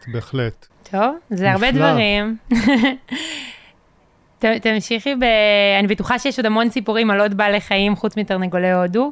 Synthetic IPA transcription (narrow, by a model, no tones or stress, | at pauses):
beːχlett̪ʰovzeaʁbed̪vaʁim | t̪at̪amʃiχibeanibetuχaʃejeʃod̪amo̞nsipuʁimalo̞tbale̞χaimχut͡smit̪aʁneɡoleodu